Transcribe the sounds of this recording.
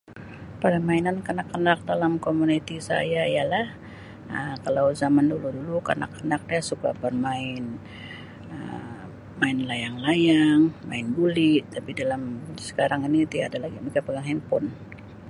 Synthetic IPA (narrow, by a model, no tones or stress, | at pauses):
padamainankənakːənak̚dalamkomunit̪isa̰jaijalah | əkalawzamanduludulukə̰na̰kːənak̚dasuka̰bərmaɪn | ə̰ | maɪnlajaŋlajaŋma̰ɪnbulɪʔt̪apidalamsə̥kaɾaŋinit̪ia̰dalaɡimikapəɡaŋɛnpʊn